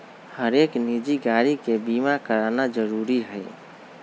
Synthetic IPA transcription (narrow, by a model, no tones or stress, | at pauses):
həɾeknid͡ʒiɡaɾikebimakəɾanad͡ʒəɾuɾiɦəɪ